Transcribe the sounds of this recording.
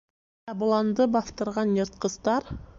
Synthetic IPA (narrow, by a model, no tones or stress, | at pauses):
ɑbulˠɑnd̪ɯbɑθt̪ɯɾʁɑnjeɾt̪̚qəzt̪ɑɾ